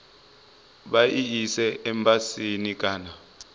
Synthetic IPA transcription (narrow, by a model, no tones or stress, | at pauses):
ɓaʔiisɛːmbʼasinik̬ʼaːna